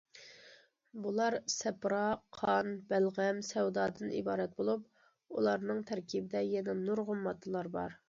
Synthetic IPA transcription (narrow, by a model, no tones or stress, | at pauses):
bulˠɑɾsɛpɾɑqʰɑnbælʁɛmsɛwd̪ɑːd̪ɨnḭbɑːɾɛt̪̚bolˠup̚ | ulˠɑɾnɨŋt̪ʰæɾkʲʰibɪd̪ɛjɛnɛnuɾʁʊmːɑt̪ʰːɨlˠɑɾbɑ̰ɾ